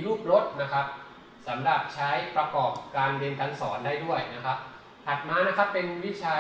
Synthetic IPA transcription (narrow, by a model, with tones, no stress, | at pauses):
ɾuː˥˩p̚ɾo˦˥t̪̚na˦˥kʰa˦˥p̚ | sa˩˦mɾa˨˩p̚t͡ɕʰa˦˥jpɾa˧kɔː˨˩p̚kaː˧nde˧nt̪ʰa˧˥ŋsɔː˩˦ndaː˥˩jdu˥˩əjna˦˥kʰa˦˥p̚ | t̪ʰa˨˩t̪̚maː˧na˦˥kʰa˦˥pːe˧nwi˦˥t͡ɕʰaː˧